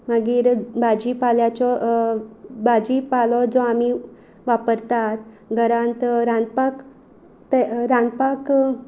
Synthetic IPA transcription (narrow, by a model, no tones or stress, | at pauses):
məɡiːɾbad͡ʑiːpaljat͡ɕɔ | bad͡ʑipalɔd͡zɔami | ʋapəɾt̪at̪ | ɡʱəɾãnt̪ɾãnd̪̚pak | t̪eɾãnd̪pak